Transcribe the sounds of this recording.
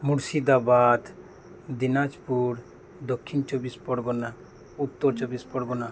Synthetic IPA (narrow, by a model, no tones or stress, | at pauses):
muɽsid̪abad̪ | d̪inad͡ʒpuɾ | d̪ɔkʰːint͡ʃɔbispɔɾɡɔna | ut̪ːɔɾt͡ʃɔbispɔɾɡɔna